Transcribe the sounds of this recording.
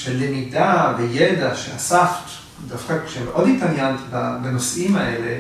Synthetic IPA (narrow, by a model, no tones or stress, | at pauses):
ʃelːemidavejed̪aʃeasaft̪ | d̪afkakʃelʔodit̪aljant̪babanosimaele